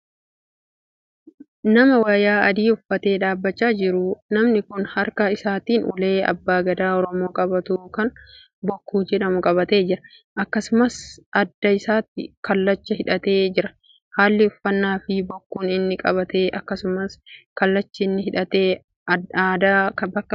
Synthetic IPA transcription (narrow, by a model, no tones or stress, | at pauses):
nɐmɐwaːjaːɐd̪iːʊfːɐt̪e̞ːᶑaːbːɐt͡ʃːaːd͡ʒɪɾʊnɐmnɪkʊnhɐɾkɐɪsaːt̪iːnʔʊ̰le̞ːɐ̰bːaːɡɐd̪aːɔɾɔmo̞ːkʼɐbɐt̪uːkɐn | bɔkːuːd͡ʒɛᶑɐmʊkʼɐβɐt̪e̞ːd͡ʒɪɾɐ̥ | ʔɐkːɐsʊmɐsʔɐd̪ːɐɪsaːt̪ːɪ̰kɐlːɐt͡ʃːɐhɪᶑɐt̪e̞ːd͡ʒɪɾɐ̥ | haːlːɪʊfːɐnːaːfɪbɔkːuːnɪnːɪkʼɐβɐt̪eːʔɐkːɐsʊmɐskɐlːɐt͡ʃːɪɪnːɪhɪᶑɐt̪eː | d̪akɐbɐkːɐ